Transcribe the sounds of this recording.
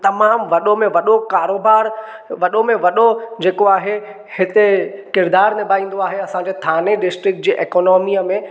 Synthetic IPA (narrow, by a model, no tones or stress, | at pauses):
t̪ɐmaːmʋɐɗomẽʋɐɗokaːɾoːbaːɾ | ʋɐɗomẽʋɐɗod͡ʑeːkoaːɦe | hɪt̪ekɪɾd̪aːɾnɪbʱaːĩːn̆d̪oaːɦeɐsãɲd͡ʑeːt̪ʰaːneɖɪsʈɾɪk̚ʈ̚d͡ʑeːʔeːkɔːnɔːmiəmẽ